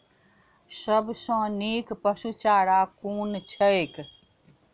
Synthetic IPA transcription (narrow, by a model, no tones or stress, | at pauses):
səbsə̃niːkpəʃut͡ʃaːɽakuːnt͡ʃʰəek